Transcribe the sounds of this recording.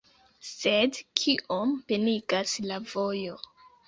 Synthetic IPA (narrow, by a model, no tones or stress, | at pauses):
sedkʰiʔompeniɡaslavo̞jo̞